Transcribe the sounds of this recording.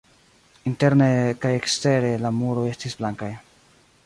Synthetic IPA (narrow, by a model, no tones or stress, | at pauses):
inte̞ɾnekajekste̞ɾe̞lamuɾoe̞stisblaŋkaj